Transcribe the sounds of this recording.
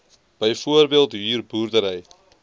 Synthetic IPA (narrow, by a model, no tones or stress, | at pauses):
b̥əjfoərbeːlˠtɦyːrburdəɾəj